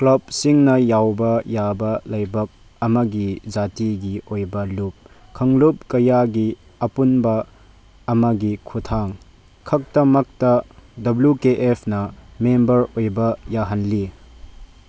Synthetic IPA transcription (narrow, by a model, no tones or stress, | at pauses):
klɐb̚siŋnɐjawbɐjabɐlɐjbɐk̚ | ɐmɐɡid͡ʒatiɡiʔojbɐlup̚kʰɐŋlup̚kɐjaɡi | ɐpunbɐː | mɐɡikʰutʰaŋ | kʰɐk̚tɐmɐk̚tɐdɐbljukeʔepʰnɐmembɐɾojbɐjaɦɐnli